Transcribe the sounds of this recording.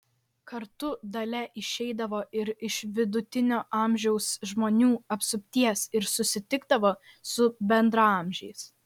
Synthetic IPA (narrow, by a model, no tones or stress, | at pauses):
kɐɾt̪ʊd̪ɐlʲɛʔɪʃʲɛɪd̪ɐʋoːɪɾɪʃʋʲɪd̪ʊt̪ʲɪnʲoːʔɑˑmʲʒʲɛʊsʒmoːnʲuːɐpsʊpʲt̪ʲiɛsɪɾsʊsʲɪt̪ʲɪɡd̪ɐʋoː | sʊbʲɛnd̪ɾɐɑːˑmʲʒʲɛjs